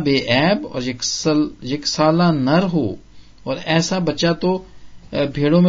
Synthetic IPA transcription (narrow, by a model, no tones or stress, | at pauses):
beːʔɛːbɔ̰ːɾkjeksaːlanɐɾɦoː | ɔːɾɛːsabɐt͡ʃat̪o | bʱeːɽõmẽ